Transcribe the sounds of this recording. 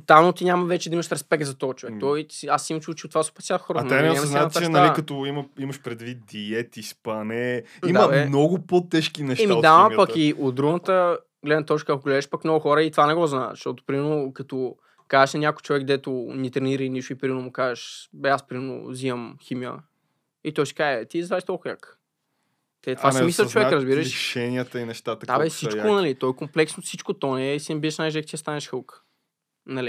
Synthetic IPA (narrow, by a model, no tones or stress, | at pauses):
ot̪alˠnot̪iɲʲaməvɛt͡ʃɛd̪ɐimɐʃɾɛspɛk̚t̪zɐt̪ɔɐt͡ʃovɛkt̪ɔiasiimt͡ʃut͡ʃɛot̪vaspɛt̪sjaxɔɾəɛnɛɡamsznaat̪ɾt͡ʃɛnɐalikɐt̪ɔimɐiməʃpɾɛd̪vit̪̚d̪iɛt̪ispɐnɛ | id̪mɐɛmnɔɡʊpɔt̪ɛʃkinɛʃtɛmid̪apəkkiot̪̚d̪ɾuɡnət̪ə | ɡlɛd̪nət̪ɔt͡ʃkəakoɡlɛd̪ɛʃpakmnɔɡʊxɔɾəit̪vanɛɡɔznaɛ̰ʃt̪ɔt̪ʊ̥pɾimɛɾnokɐt̪ɔ | kazɛʃnɐnʲakojt͡ʃovɛɡd̪ɛt̪ʊnit̪ɾɛniɾəiniʃʊipɾimɛnʊmʊkazɛʃbɛaspɾimɛɾno̰ziɐmximiə̰ | it̪ɔsi̥kaɛt̪izaɛʃt̪ɔlˠkʊjʲak | t̪ɛt̪vasmislˠɐt͡ʃovɛɾəzbiɾəʃʃɛniət̪əinɛʃt̪at̪ət̪aɛfsit͡ʃkonɐlit̪ɔɛkomplɛksnosit͡ʃkot̪ɔnɛsinɛbiðɛʃnaʒɛkt͡ʃ̪ist̪anɛʃxəlˠkə̥ | nɐli